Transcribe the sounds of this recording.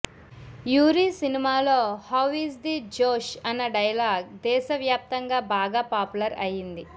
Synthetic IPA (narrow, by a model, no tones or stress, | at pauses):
juːɾiːsinimaːloːhɐʋisd̪id͡ʒoːʃɐnːɐɖɐjɐlaːɡ̚d̪ɛːʃɐʋjaːp̚t̪ɐŋɡaːbaːɡaːpaːpulɐɾɐjind̪i